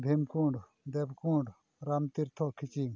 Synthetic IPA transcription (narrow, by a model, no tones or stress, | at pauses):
bʱemkuɳɖ | d̪ebkuːɳɖ | ɾɐmt̪iɾt̪ʰɔkʰit͡ʃiŋ